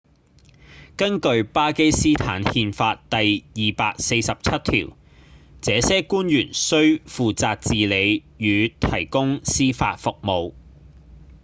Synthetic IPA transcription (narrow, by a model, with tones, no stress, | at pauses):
kɐ˥nkɵ˧ɥpaː˥ke˥jsiː˥t̪ʰa̰ː˨˥nhiː˧nfaː˧t̚t̪ɐ˨jjiː˨paː˧k̚se˧jsɐ˨p̚t͡sʰɐ˥t̚t̪ʰḭː˨˩w | t͡sɛː˨˧sɛː˥kuː˥njyː˨˩nsɵ˥ɥfuː˨t͡saː˧k̚t͡siː˨le˨˧j | jyː˨˧t̪ʰɐ˨˩jkʊ˥ŋsiː˥fa̰ː˧t̚fʊ˨k̚mo˨˧w